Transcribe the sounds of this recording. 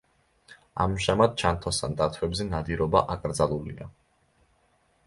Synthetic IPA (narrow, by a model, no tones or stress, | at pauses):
a̰mʒamad̪̚t͡ʃʰant̪ʰɔst̪ʰand̪at̪ʰwɛbzɛnad̪iɾɔbaʔakʼɾd̪zalˠulḭa